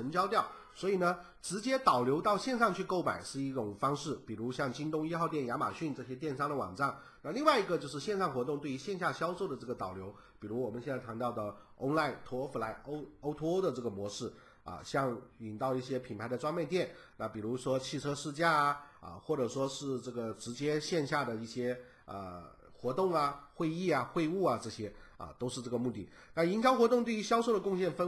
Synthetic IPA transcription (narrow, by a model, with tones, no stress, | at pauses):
ə˧˥nt͡ɕjɑ˥ʊt̪jɑ˥˩ʊ | swɔ˧˥i˨˩nə˦ | ʈ͡ʂɻ̩˧˥t͡ɕjɛ˥t̪ɑ˨˩ʊljo˧˥ʊt̪ɑ˥˧ʊɕjɛ˥˧nʂɑ˥˧ŋt͡ɕʰy˥˧ko˥˩ʊma̰˨˩ɪʂɻ̩˥˧i˥˩ʈ͡ʂʊ˨˩ŋfɑ˥ŋʂɻ̩˥˩pi˨˩ɻu˧˥ɕjɑ˥˩ŋt͡ɕi˥nt̪ʊ˥ŋi˥xɑ˥˧ʊt̪jɛ˥˩nja˧˥ma̰˨˩ɕy˥˧nʈ͡ʂɤ˥˩ɕ̬jɛ˥t̪jɛ˥˩nʂɑ˥˩ŋd̪ə˩wɑ̰˨˩ŋʈ͡ʂɑ˥˩ŋ | na˥˧li˥˧ŋwa˥˩ɪi˧˥ɡə˧t͡ɕjo˥˧ʊʂ̬ɻ̩˥˧ɕjɛ˥˧nʂɑ˥˩ŋxwɔ˧˥t̪̬ʊ˥˧ŋt̪we˥˩y˧˥ɕjɛ˥˧nɕ̬ja˥˩ɕjɑ˥ʊʂo˥˩ʊd̪ə˩ʈ͡ʂɤ˥˩ɡə˩t̪ɑ˨˩ʊljo˧˥ʊ | pi˨˩ɻu˧˥wɔ˨˩mə˦ɕjɛ˥˧nt͡sa˥˩t̪ʰa˧˥nt̪ɑ˥˩ʊd̪ə˩o̰˥ʊla˥˩ɪt̪ʰwɔ˧˥fu˧˩la˧˥ɪʔo˥ʊo˥ʊt̪ʰo˥o˥d̪ə˨˧ʈ͡ʂɤ˥˩ɡə˩mwɔ˧˥ʂɻ̩˥˩ | ɐ̰˧ɕjɑ˥˧ŋi˨˩nt̪ɑ˥˧ʊi˥˩ɕjɛ˥pʰi˨˩npʰa˧˥ɪd̪ə˨ʈ͡ʂwa˥ŋma˥˧ɪt̪jɛ˥˩nna˥˩pi˨˩ɻu˧˥ʂwɔ˥t͡ɕʰi˥˩ʈ͡ʂʰɤ˥ʂɻ̩˥˧t͡ɕja˥˩ə̰˧xwɔ˥˩ʈ͡ʂɤ˨˩ʂwɔ˥ʂɻ̩˥˧ʈ͡ʂɤ˥˩ɡə˩ʈ͡ʂɻ̩˧˥t͡ɕjɛ˥ɕjɛ˥˧nɕja˥˩d̪ə˩i˥˩ɕjɛ˥ | ə̰˧˩ | xwɔ˧˥t̪ʊ˥˩ŋɐ˩xwe˥˧ɪi˥˩ɐ˩xwe˥˧ɪu˥˩ɐ˩ʈ͡ʂɤ˥˩ɕjɛ˥ə̰˨˩t̪o˥ʊʂɻ̩˥˧ʈ͡ʂɤ˥˩ɡə˩mu˥˧t̪i˥˩ | na˥˩i˧˥nt͡ɕjɑ˥ʊxwɔ˧˥t̪ʊ˥˧ŋt̪we˥˩ɪy˧˥ɕjɑ˥ʊʂo˥˩ʊd̪ə˩kʊ˥˧ŋɕ̬jɛ˥˩nfə˥